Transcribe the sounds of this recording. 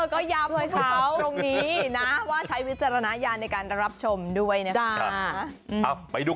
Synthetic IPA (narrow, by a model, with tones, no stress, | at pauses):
kɔː˥˩ja˦˥po˧kʰa˦˥wo˧ŋniː˦˥na˦˥waː˥˩t͡ɕʰa˦˥jwi˦˥t̪̚t͡ɕːa˧ɾa˧na˦˥jaː˧nːa˧jkaː˧nɾa˦˥p̚t͡ɕʰo˧mdu˥˩əjna˦˥t͡ɕa˧ʔa˧˩pa˧jduː˧˩